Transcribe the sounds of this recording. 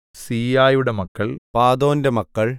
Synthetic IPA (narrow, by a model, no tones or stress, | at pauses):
siːaːjuɽemɐkːɐɭpaːd̪o̞ːnde̞mɐkːɐɭ